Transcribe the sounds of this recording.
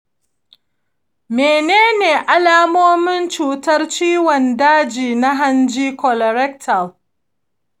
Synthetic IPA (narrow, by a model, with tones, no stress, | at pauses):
meː˨neː˦neː˨ʔa˦laː˦moː˦mɪ˦nt͡ʃuː˨tɐ˦rt͡ʃiː˦wɔ˨ndaː˦d͡ʒiː˨na˦ɦa˦nd͡ʒiː˦kɔ˨lɔ˨ɾɛ˦k̚tʰɐ˨l